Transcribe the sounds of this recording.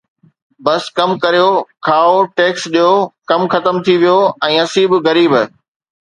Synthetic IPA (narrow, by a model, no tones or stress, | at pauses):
bɐskɐmkɐɾijokʰaːoʈeːksɗijokɐmxɐt̪əmt̪ʰiʋijoɛ̃ːɐsiːbɣɐɾiːb